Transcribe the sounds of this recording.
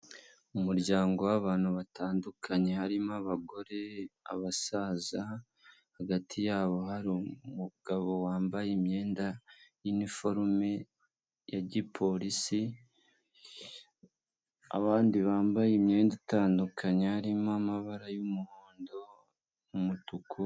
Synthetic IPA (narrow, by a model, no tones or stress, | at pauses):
umuɾɟaːŋɡo̞waβaːn̥huβatʰaːndukʰaɲe̞haɾimaβaɡo̞ɾe̞a̰βasaːza | haɡatʰijaːβo̞haɾumuɡ̥aβo̞waːmbajimɲe̞ːndajinifo̞ɾme̞ | jaɟipʰo̞ɾisi | a̰βaːndiβaːmbajimɲe̞ːndataːndukʰaɲe̞haɾimamaβaɾajumuhoːndo̞ | umutukʰu